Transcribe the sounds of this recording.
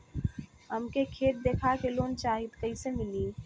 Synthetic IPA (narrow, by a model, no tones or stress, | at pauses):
ɦəmkekʰeːt̪̚d̪eːkʰakeloːnt͡ʃaːɦit̪kəisemɪliː